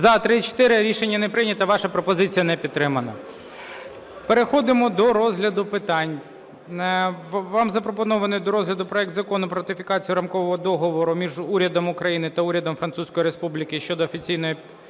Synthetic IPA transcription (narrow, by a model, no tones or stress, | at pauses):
zɐt̪ɾɪt͡ʃe̥t̪ɪɾɪɾʲiʃenʲːɐnepɾɪnʲɐt̪ɐʋɑʃɐpɾɔpɔzɪt͡sʲijɐnɛpʲid̪̚t̪ːɾɪmɐnɐ̰ | peɾexɔd̪ɪmɔd̪ɔɾɔzɦlʲɐd̪ʊpɪt̪ɑnʲ | ʋɑmzɐpɾɔpɔnɔʋɐnɪjd̪ɔɾɔzɦlʲɐd̪ʊpɾɔɛk̚t̪zɐkɔnʊpɾɔɾɐt̪ɪfʲɪkɑt͡sʲijʊɾɐmkɔʋɔɦɔd̪ɔɦɔʋɔɾʊmʲiʒuɾʲɐd̪ɔmʊkɾɐjinɪt̪ɐuɾʲɐd̪ɔmfɾɐnt̪susʲkɔjiɾespublʲɪkɪʃt͡ʃɔd̪ɔːfʲit͡sʲijnɔji